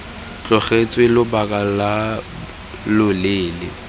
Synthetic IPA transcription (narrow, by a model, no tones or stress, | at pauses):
t͡ɬʼɔχet͡sʼwelʊbakʼala | lʊleːlɪ